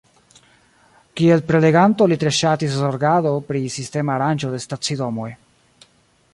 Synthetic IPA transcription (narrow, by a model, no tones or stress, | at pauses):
kie̞lpɾe̞le̞ɡanto̞lit̪ɾe̞ʃatiszoɾɡado̞pɾisiste̞maːɾand͡ʒo̞de̞stat͡sido̞mo̞j